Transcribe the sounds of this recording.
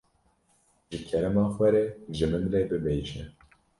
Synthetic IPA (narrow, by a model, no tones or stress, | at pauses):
ʒɨkʰɛɾɛmɑːxʷɛɾɛʒɨmɨnɾɛbɨbɛjt͡ʃɛ